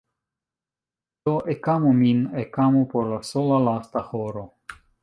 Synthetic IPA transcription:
t̪oʔekamominekamupoɾlasolalast̪axoɾo

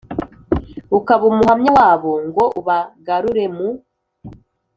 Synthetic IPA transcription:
ukaβumuɦamɲawaːβoŋɡo̞uβaɡaɾuɾe̞mu

